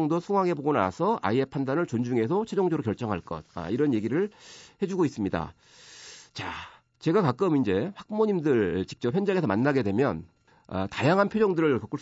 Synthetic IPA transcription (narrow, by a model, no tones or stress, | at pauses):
ŋdosʰuŋwaŋɦe̞boɡona̰a̰sʰʌʔa̰iepʰandanɯɭt͡ɕond͡ʑuŋe̞sʰʌt͡ɕʰed͡ʑoŋd͡ʑoɾokjʌɭt͡ɕ͈ʌŋɦaɭk͈ʌ̰d̚a̰iɾʌnje̞ɡiɾɯɭhe̞d͡ʑuɡois͈ɯmɲida̰ | t͡ɕa | t͡ɕe̞ɡakak͈ɯmind͡ʑe̞ɸak͈̚moɲimdɯɭt͡ɕi̥k̚t͡ɕ͈ʌp̚jʌnd͡ʑaŋe̞sʰʌmanːaɡe̞dwe̞mjʌn | a̰tajaŋɦanpʰjod͡ʑʌŋdɯɾɯɭkʌk͈uɭ